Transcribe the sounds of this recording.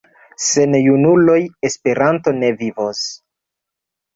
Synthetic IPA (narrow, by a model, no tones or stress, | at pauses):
se̞njunulo̞je̞spe̞ɾanto̞ne̞vivos